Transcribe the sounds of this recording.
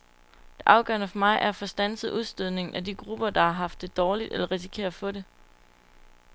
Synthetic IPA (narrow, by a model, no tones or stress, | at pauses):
d̥e̝ʔɑ̈ʊɡ̥ɶ̰ɐnəfɒ̽mɑ̈ɪʔæɐfɒ̽sd̥ænsð̩ˠʔuð̞ˠsd̥øðˠne̝ŋn̩ʔæd̥iɡ̥ʁub̥ɐd̥ɑ̈hɑ̈ɦɑ̈fd̥ːe̝d̥ɒːlid̥elɐʁis̬i̥kʰe̝̰ɐfɔ̽ɾe̝